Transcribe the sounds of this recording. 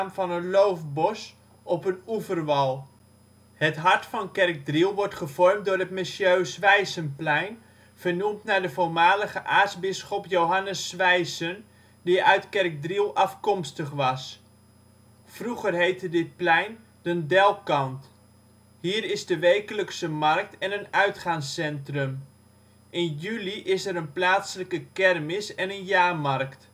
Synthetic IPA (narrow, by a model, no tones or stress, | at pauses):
mfɑnənlowfbɔs | ʔɔpənuvərʋɑlˠ | hətɦɑɹtfɑnkɛrk̚drilˠʋɔɹtχəvɔrmt̚dʊːrɦətmɪsjøːsʋɛjsənplɛjn | v̥ərnumtnadəvolmaːləχəʔaːsbɪsχɔpjowɦɑnəsːʋɛjsən | diʔœɥtkɛrk̚drilˠɑfkɔmstəχʋɑs | fruɣərɦejtədɪt̚plɛjn | dəndɛlˠkɑnt | hiːɾɪzdəʋeːkələksəmɑrk̚tʰɛnənœɥtχaːŋsːɛntrɵm | ʔɪnjyliʔɪsɛɾənplaːtsələkəkɛrmɪsɛnənjaːmɑrkt